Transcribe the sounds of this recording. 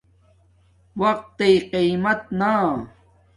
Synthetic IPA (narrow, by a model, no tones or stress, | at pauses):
wɐq̚t̪ːejqimɐt̪̚na